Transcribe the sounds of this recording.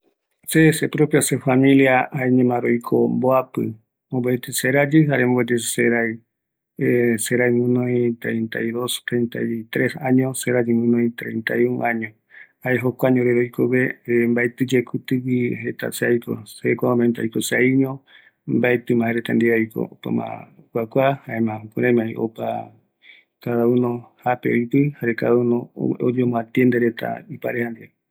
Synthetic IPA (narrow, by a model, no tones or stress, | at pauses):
sesepɾopjasefamĩliaaeɲẽmãɾojkʰomboapɨ̰ | omboet̪eseɾad͡ʒiɦaɾemobet̪eseɾaj | seɾajŋũnõĩt̪ɾent̪ajðost̪ɾent̪a̰jt̪ɾesãɲõseɾad͡ʒiŋũnõjĩt̪ɾent̪a̰juʔãɲõ | haeɦokʷaɲõɾeɾojkʰoβembaet̪ɨd͡ʒekʰut̪ɨwiɦet̪a̰seajko̰sekʷaomẽnt̪ajkosajɲõ | mbaet̪ɨmãheɾet̪and̪iajko̰pa̰mã̰wʷakʷahaemãkuɾẽmãĩʔo̰pa̰ | kaðaunõhapeojpɨhaɾekaaunõo̰d͡ʒomõat̪jend̪eɾet̪ʰa̰ipaɾehand̪ia